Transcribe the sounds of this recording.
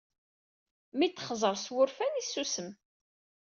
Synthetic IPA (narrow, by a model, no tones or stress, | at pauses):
mit̪ːχzˤəɾˤswʊɾfænisːusəm